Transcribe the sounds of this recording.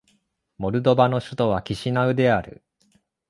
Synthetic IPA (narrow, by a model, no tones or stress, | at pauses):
mo̞ɾɯ̟d̪o̞bano̞ɕɨt̪o̞β̞akʲiɕinaɯ̟d̪e̞aɾɯ̟̰